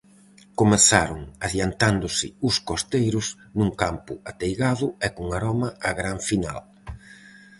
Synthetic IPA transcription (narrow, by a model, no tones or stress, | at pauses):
komeθaɾʊŋaðjant̪and̪ʊsɪʊskost̪ejɾʊs | nuŋkampʊat̪ejɣaðʊɛkuŋaɾɔmɐaɣɾaɱfina̰l